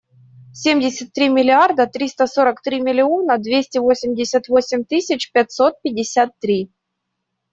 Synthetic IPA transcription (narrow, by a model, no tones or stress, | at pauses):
sʲemʲdʲɪsʲət̪ːɾʲimʲɪlʲɪard̪ət̪ɾʲist̪əso̞ɾəkt̪ɾʲimʲɪlʲɪo̞nəd̪vʲesʲtʲɪvosʲɪmʲdʲɪsʲət̪vosʲɪmʲt̪ɨsʲɪt͡ɕpʲɛt̪ʲsot̪̚pʲɪdʲɪsʲat̪ːɾʲi